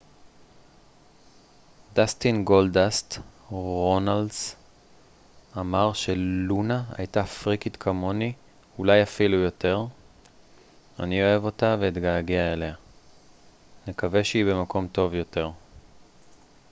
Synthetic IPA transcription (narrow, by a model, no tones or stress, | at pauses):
dast̪inɡo̞ldast̪ʁo̞naldz | amaʁʃe̞lunaa̰jtafʁikit̪kʰamo̞ni | ulajafilujo̞te̞ʁ | a̰nio̞e̞vo̞taveit̪ɡaːɡiaele̞a | nekave̞ʃeibe̞mako̞mto̞vjo̞te̞ʁ